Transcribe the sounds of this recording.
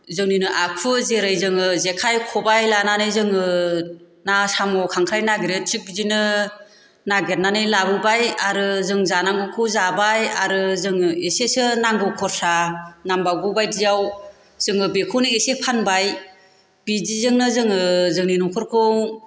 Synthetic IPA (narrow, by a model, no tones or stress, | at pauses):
zɯŋninɯʔakʰɯzeɾɯjzɯŋɯzekʰajkʰɔbajlananɯjzɯŋɯ | nasamɔkʰaŋkʰɾajnaɡiɾetʰik̚bizinɯ | naɡeɾnanɯjlabɯbajaɾɯzɯŋzanaŋɡɯkʰɯwzabajaɾɯzɯŋɯesesɯnaŋɡɯkʰɔɾsanambaɡɯbajdijaw | z̥ɯŋɯbekʰɯwnɯesepʰanbaj | b̥izizɯŋnɯzɯŋɯzɯŋninɔkʰɔɾkʰɯw